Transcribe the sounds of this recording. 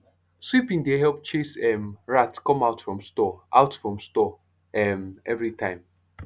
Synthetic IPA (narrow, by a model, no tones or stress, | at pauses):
swipĩŋdeɦɛlp̚t͡ʃesɛmɹatkɔ̃maʊtfɹɔ̃mstɔʔaʊtfɹɔ̃mstɔ | ɛmɛvɹitʰãɪ̃m